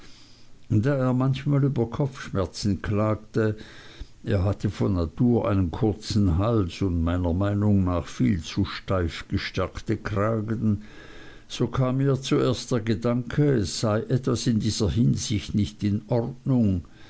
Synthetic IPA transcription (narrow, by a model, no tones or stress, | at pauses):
daːeːɐmançmaːlyːbɐkʰɔpp͡fʃmɛɐt͡sn̩kʰlaːk̚tə | ʔeːɐɦatʰəfɔnnatʰuːɐʔaɪnənkʰʊɐt͡sn̩ɦalsʊndmaɪnɐmaɪnʊŋnaːχfiːlt͡suʃtaɪfɡ̥əʃtɛɐktəkʁaːɡən | z̥oːkʰaːmːiːɐt͡sueːɐst̚d̥eːɐɡədaŋkʰəɛsːz̥aɪʔɛtv̥asɪndiːz̥ɐɦɪnzɪçtnɪçtɪnʔɔʁdnʊŋ